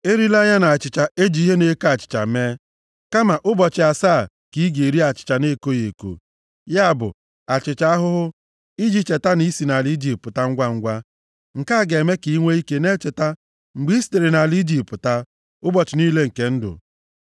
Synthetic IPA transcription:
e˦ɾi˦la˦ɲa˦na˨a˨t͡ʃɪ˨t͡ʃa˨e˦d͡ʒi˨˦ɦe˦ne˦ka˨t͡ʃɪ̥˨t͡ʃa̰˨meː˦ | ka˦ma˨ʔʊ˦bɔ˨t͡ʃɪ˨a˨saː˦˨ | ki˦ɡe˨ɾi˦a˨t͡ʃɪ̥˨t͡ʃa˨ne˦ko˦je˨ko̰˨ | ja˦a˦˨bʊ̰˨ | a˨t͡ʃɪ˨t͡ʃa˦a˦ɦʊ˦ɦʊ˦ | i˦d͡ʒi˦t͡ʃe˨ta˦ni˦si˨na˨li˦d͡ʒi˨ppʊ˨ta˦ŋ̩˦ɡʷa˦ŋ̩˦ɡʷa˦ | ŋ̩˨ka˦˨ɡe˨me˦ki˨i˦ŋʷe˦i˦ke˦ne˦t͡ʃe˨ta˦ | ŋ͡m̩˨ɡ͡bi˦ste˨ɾe˨na˨li˦d͡ʒi˨pʊ˨ta˦ | ʊ˦bɔ˨t͡ʃɪ˨niː˦le˦ŋ̩˨ke˦n̩˦dʊ̰˨

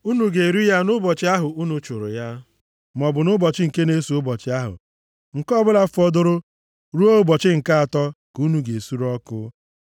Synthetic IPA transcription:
u˦nu˨ɡe˨ɾi˦ja˦nʊ˦bɔ˨t͡ʃɪ˦a˦ɦʊ˨u˦nu˨t͡ʃʊ˨ɾʊ̰˨ja˦ | m˨ɔ˨bʊ˨nʊ˦bɔ˨t͡ʃɪ˦ŋ̩˨ke˦ne˦su˨ʊ˦bɔ˨t͡ʃɪ˦a˦ɦʊ̰˨ | ŋ̩˨kɔ˦bʊ˦la˦fɔ˦dʊ˦ɾʊ˦ | ɾu˦o˦bɔ˨t͡ʃɪ˦ŋ̩˨ka˦a˨tɔ˦ku˦nu˨ɡe˨su˦ɾɔ˦kʊ̰˦

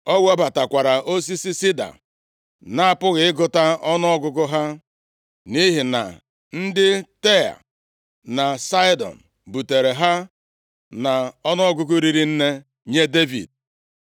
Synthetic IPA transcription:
ɔ˦ɡʷɔ˦ba˨ta˨kʷa˨ɾa˨ʔo˦s̬i˦si˦si˦da̰˨ | na˦˨pʊ˦ɣɪ˨ɪ˦ɡʊ˨ta˦ɔ˦nɔ˦ɔ˦ɡʊ˦ɡʊ˦ɦa˦ | ni˦ɦɪ˨na̰˨ | n̩˦dɪ˦te˦a̰˨ | na˨sa˦i˦dɔ̰˨n̩˨ | bu˨te˨ɾe˨ɦa˦ | na˨ɔ˦nɔ˦ɔ˦ɡʊ˦ɡʊ˦ɾi˦ɾi˦n̩˦ne˦ | ɲe˦de˦vḭ˨d̚

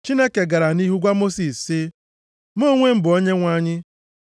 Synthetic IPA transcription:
t͡ʃi˦ne˦ke˨ɡa˨ɾa˨ni˦ɦu˦ɡʷa˦mo˦si˨ssɪ˦ | mo˦ŋʷe˦m̩˦bʊ˨o˦ɲe˦ŋʷa˦ɲɪ˦

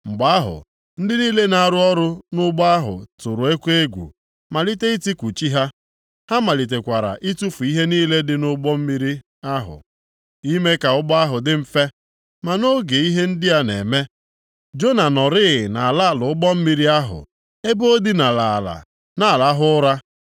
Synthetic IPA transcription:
ŋ͡m̩˨ɡ͡ba˦a˦ɦʊ̰˨ | n̩˦dɪ˦niː˦le˦na˨ɾʊ˦ɔ˦ɾʊ˦nʊ˦ɡ͡bɔ˦a˦ɦʊ̰˨tʊ˨ɾʊ˨e˦kʷe˦ɡʷṵ˨ | ma˨li˦te˦i˦ti˦kʷu˨t͡ʃi˦ɦa˦ | ha˦ma˨li˨t̬e˨kʷa˨ɾa̰˨ʔi˦tu˦fu˨i˦ɦe˦niː˦le˦dɪ˦nʊ˦ɡ͡bɔ˦m̩˦mi˦ɾi˦ | a˦ɦʊ̰˨ | i˦me˦ka˨ʊ˦ɡ͡bɔ˦a˦ɦʊ˨dɪ˦m̩˦fe˦ | ma˨no˦ɡe˨i˦ɦe˦n̩˦dɪ˦ja˦nḛ˨me˦ | d͡ʒo˦na˨nɔ˨ɾɪ˦ɪ˨na˨la˦a˨lʊ˨ʊ˦ɡ͡bɔ˦m̩˦mi˦ɾi˦a˦ɦʊ̰˨ | e˦bo˦di˦na˨la˨la̰˨ | na˨a˨la˦ɦʊ˦ʊ˦ɾa˦

